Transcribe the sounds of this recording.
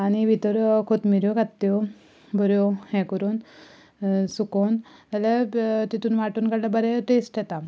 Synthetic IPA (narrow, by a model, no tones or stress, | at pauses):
añiʋit̪əɾkʰot̪miɾjokat̪ːjo | bʱəɾjohɛ̃kəɾuːn | sukont̪alat̪it̪uːnʋaʈuːnkaɽlabəɾeʈesʈjɛt̪a